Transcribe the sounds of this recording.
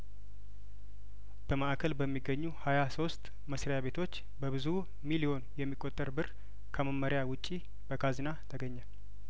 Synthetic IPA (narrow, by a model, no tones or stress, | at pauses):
b̥əmaʔkʰəlbəmːiɡːəɲːuhajaso̞st̪ʼ | məsɾejaβe̞t̪ʰo̞t͡ʃː | bəβɨzu | milio̞njɛmːikʼːot̪ʼːəɾbɨɾ | kʰəməmːəɾɪjawʊt͡ʃʼːi | b̥əkʰazinat̪ʰəɡəɲːə